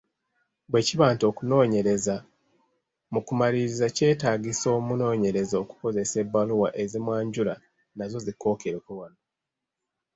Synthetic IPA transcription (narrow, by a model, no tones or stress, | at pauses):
bwe̞ːciβaːntokuno̞ːɲe̞ɾe̞za | mukumaliɾizace̞ːtaːɡiso̞ːmuno̞ːɲe̞ɾe̞zo̞ku̥ko̞ze̞se̞bːaluwaʔe̞zimwaːɲɟula | nazo̞ziko̞ːkeɾekuwano